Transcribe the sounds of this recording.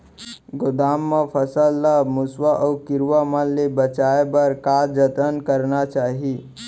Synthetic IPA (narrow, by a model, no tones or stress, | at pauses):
ɡod̪amːəpʰəsəlːəmʊswaʔəukiɾʋaməlebət͡ʃaebəɾkad͡ʒət̪ənkəɾnat͡ʃaːɦi